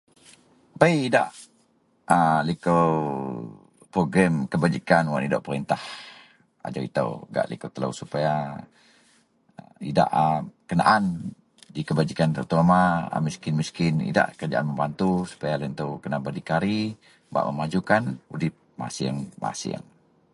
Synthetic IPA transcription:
bajida̰ʔ | əlikəw | pɾoɡɾɛmkəbad͡ʒikanwanidaʔpəɾint̪ah | a̰d͡ʒawḭt̪ə̰wɡa̰ʔlḭkəwt̪ələ̰wsupaja | ḭda̰ʔəkəna̰ʔan | dikəbad͡ʒikant̪ə̰t̪uamaə̰miskɪnmiskɪnḭda̰ʔkəd͡ʒaʔanməmbant̪usu̥pajalnt̪əwkənabadikaɾi | ba̰ʔməmad͡ʒukanudɪp̚ma̰siəŋma̰sḭə̰ŋ

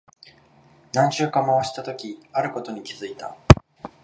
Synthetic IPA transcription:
nãɲ̃ɕɨːkãmaβaɕi̥t̪at̪o̞kʲiaɾɯ̟ko̞t̪o̞ɲ̟ikʲizɨit̪a̰

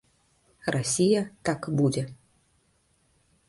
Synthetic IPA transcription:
rasʲijɐt̪akbud͡zʲɛ

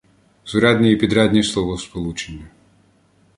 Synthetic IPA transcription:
z̥ʊɾɑd̪ʲnʲiipʲid̪ɾad̪ʲnʲislˠɔʋɔspɔlˠut͡ʃenʲːɐ

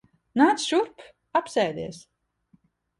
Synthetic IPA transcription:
naːt̪sʃuɾp | apsɛjd̪iɛs

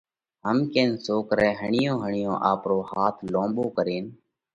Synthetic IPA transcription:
ɦəmkẽːnsoːkɾɛːɦəɳɪjõːɦəɳɪjõːʔaːpɾoːhaːt̪ʰlõːboːkəɾeːn

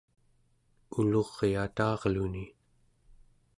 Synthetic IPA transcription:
ulo̞ʁeat̪ɑːʁluni

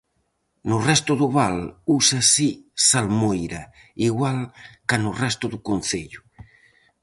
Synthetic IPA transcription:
nʊrɛst̪uðuβalusasisalmojɾa | iɣwalkanurɛst̪uðukon̟θeʎu

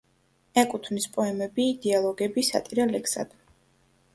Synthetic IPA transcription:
ɛkʼut̪ʰvnispʼɔɛmɛbid̪ɛalˠɔɡɛbisa̰t̪ʼiɾalɛksa̰d̪̥

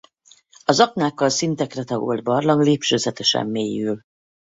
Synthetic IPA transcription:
ɒzɒknaːkːɒlsint̪ɛkrɛt̪ɒɡṵld̪̚bɒrlɒŋleːpʃøːzɛt̪ɛʃɛ̰mːeːjyl

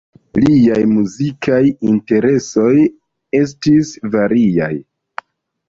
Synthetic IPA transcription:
liajmuzikʰajinte̞ɾe̞so̞j | e̞s̬tisvaɾia̰j

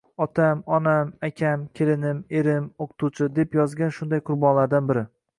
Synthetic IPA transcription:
ɒt̪ʰamɒnamakʲʰamkʲʰe̞lɪnɪme̞ɾɪmoqt̪ʰut͡ʃʰɪd̪e̞pjɒzɡʲanʃʊnd̪ajqʰʊɾbɒnlaɾd̪anbɪɾɪ

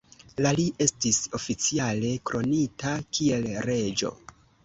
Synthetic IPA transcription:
laliʔe̞stiso̞fit͡siale̞kɾo̞nitakie̞lɾe̞d͡ʒo̞̰

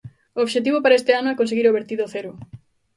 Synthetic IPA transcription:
ooβʃet̪̬iβopaɾaest̪eanʊɛkonseɣiɾoβeɾt̪iðoθeɾʊ

